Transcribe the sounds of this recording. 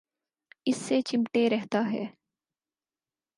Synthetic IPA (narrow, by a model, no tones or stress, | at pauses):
ɪsːet͡ʃɪmʈeɾɛɦt̪aɦɛ̰ː